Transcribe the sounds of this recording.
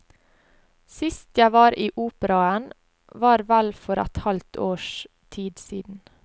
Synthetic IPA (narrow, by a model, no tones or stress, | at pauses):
sɪst̪jæɪʋɑːɾʔiːʔuːpəɾɑən | ʋɑːɾʋælfɔɾæ̰t̪hɑlt̪ʰoːʃ | t̪ʰiːd̪siːd̪n̩